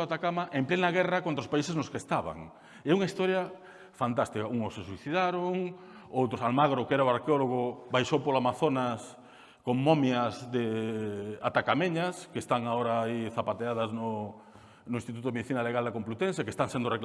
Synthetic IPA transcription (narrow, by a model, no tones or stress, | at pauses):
at̪akamaʔemplenaɣɛrɐkont̪ɾaospaiseznʊskest̪aβa̰ŋ | eɛuŋɐist̪ɔɾjɐ | fant̪ast̪ikɐuŋʊsːesuiθiðaɾoŋ | owt̪ɾʊsalmaɣɾokɛɾaʊaɾkeoloɣʊbajʃowpolamaθonɐs | koŋmomjɐzðe | a̰t̪akameɲɐskest̪aŋaoɾaiθapat̪eaðɐznʊ | nʊĩst̪it̪ut̪ʊðemeðiθinɐaleɣald̪akomplut̪ẽns̬aekest̪aŋsẽnd̪ʊrek